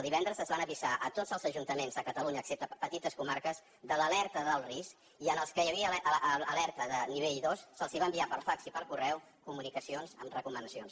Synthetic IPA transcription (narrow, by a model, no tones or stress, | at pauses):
əlˠd̪iβɛnd̪ɾəzəzβanəβizaʔət̪odzəlˠzəʒunt̪əmenzəkət̪əluɲəːksep̚t̪əpət̪it̪əskumaɾkəz | ðələlɛɾt̪əðəlˠrisk | iənəlˠskəjəβiəəlɛɾt̪əðəniβ̞eʎðossəlˠziβambiapəlˠfaksipəlˠkurɛw | kumunikəsionzə̰mrəkumənəsions